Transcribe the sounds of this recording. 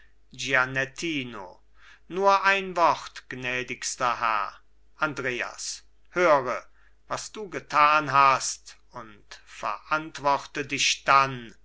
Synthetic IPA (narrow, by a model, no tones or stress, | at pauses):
ɡianɛtʰiːno̰ | nuːɐʔaɪnvɔχtɡ̥nɛːdɪkstɐhɛ̰ɐ | ʔandʁeːa̰s | høːʁə | vasd̥uːɡətʰaːnɦast | ʊntfɛ̰ɐʔantv̥ɔχtədɪʃd̥an